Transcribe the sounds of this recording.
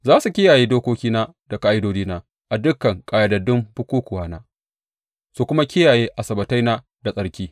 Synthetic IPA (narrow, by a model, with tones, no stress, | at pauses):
zaː˦su˨kʲɪ˦jaː˨jeː˦doː˦kʷoː˦kʲiː˦naː˦ | d̥a˨kaː˦ʔɪ˦doː˦d͡ʒiː˦naː˦ | ʔa˨dʊ˦kːɐ˨ŋkʼaː˨ja˦dɐ˨dʊ˦mɸʊ˦kʷoː˦kʷʊ˨waː˦naː˦ | su˦˨kʷʊ˦ma˦kʲɪ˦jaː˨jeː˦ʔa˨sɐ˨bɐ˨ta˦jnaː˦ | da˨sʼɐ˨ɽkʲiː˦